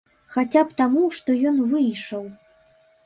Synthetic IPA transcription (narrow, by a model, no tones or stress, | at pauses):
xat͡sʲapt̪amuʂt̪ɔjɔnvɨjʂɐw